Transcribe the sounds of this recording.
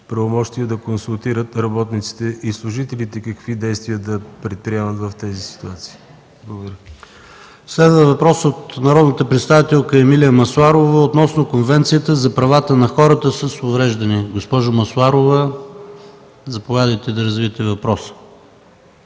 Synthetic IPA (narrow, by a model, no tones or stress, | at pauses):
pɾəvomɔʃt̪iəd̪ɐkonsʊlˠt̪iɾət̪ɾɐbɔt̪nit̪si̥t̪ɛʔislˠʊʒit̪ɛlit̪ɛkəkvid̪ɛjst̪viəd̪ɐpɾɛt̪̚pɾiɛmət̪vɐft̪ɛzisi̥t̪uat̪si̥ː | blˠoɡdɾʲ | slɛd̪vəəvɐpɾɔsot̪nɐɾɔd̪nət̪əpɾɛt̪st̪avit̪ɛlˠkəɛmilijəmɐsuaɾovəot̪nɔsnokonvɛnt̪sijət̪əzɐpɾɐvat̪ənɐxɔɾət̪əsəsʊvɾɛʒd̪ɐniɡospɔʒʊmɐsuaɾovə | zɐpovʲjad̪əjt̪ɛd̪ɐɾəzviət̪ɛvɐpɾɔsə̥